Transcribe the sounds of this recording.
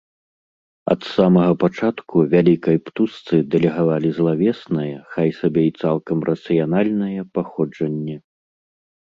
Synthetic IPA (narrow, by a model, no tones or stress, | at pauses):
ɐ̰t̪samɐɣɐpat͡ʂat̪kuvʲalʲikɐjpt̪ust̪sɨd̪ɛlʲɛɣavalʲizlˠavʲɛsnɐjɐxajsabʲɛit̪salˠkɐmrʔɐt̪sɨjanalʲnɐjɐpaxɔd͡ʐɐnʲːɛ